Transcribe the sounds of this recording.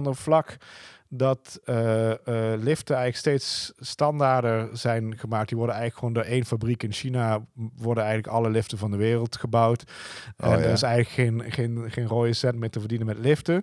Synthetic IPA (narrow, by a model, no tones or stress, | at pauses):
ndəɹv̥lɑk | dɑtə | lɪftəɛjɣənləksteːtsːtɑndaːɹdəɹz̥ɛjnχəmaːk̚diʋɔɹdənɛjɣənləkχəʋoːndʊːɹejnfabrikɪnʃinaʋɔɹdənɛjɣəntləkɑləlɪftəvɑndəʋɪːrəlˠtχəbʌwt | ɛ̰ndəɪsɛjɣənləkχejnχenχejnroːjəsɛntmɪːɹtəvəɹdinənmɛtlɪftə